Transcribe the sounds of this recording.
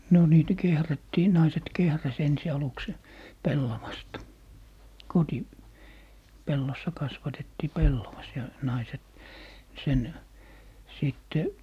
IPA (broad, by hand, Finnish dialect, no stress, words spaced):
no niːtæ kehrætːiː nɑiset kehræs ensi ɑluks se pelːɑʋɑstɑ koti pelːosːɑ kɑsʋɑtetːiː pelːoʋɑs jɑ nɑiset sen siˑtːe